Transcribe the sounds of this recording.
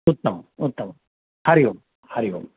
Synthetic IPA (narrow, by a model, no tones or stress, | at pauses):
ut̪ːɐmut̪ːɐm | hɐɾiʋum | hɐɾiʋṵm